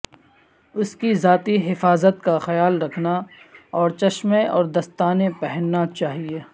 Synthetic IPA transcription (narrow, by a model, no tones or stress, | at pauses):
ʊskizaːt̪iɦɪfaːzət̪̚kaxɐjaːlɾɐkʰnaɔːɾt͡ʃɐʃmẽɔ̰ːɾd̪ɐst̪aːnepɛɦɛnːat͡ʃaːɦieː